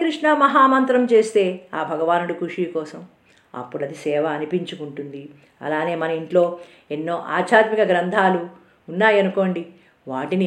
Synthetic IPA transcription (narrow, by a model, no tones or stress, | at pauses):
kɾiʂɳɐmɐɦaːmɐnt̪ɾɐmt͡ʃe̞ːst̪e̞ːaːbʱɐɡɐʋaːnuɽukuʂiːkɔːsɐm | ɐ̰pːuɽɐd̪isɛːʋɐːnipiɲt͡ʃukuɳʈund̪i | ɐ̰laːne̞ːmɐnɐiɳʈlo̞ː | enːo̞ːʔa̰ːt͡ʃʰaːt̪mikɐɡɾɐnd̪ʱaːluː | nːaːjɐnuko̞ːɳɖi | ʋaːʈini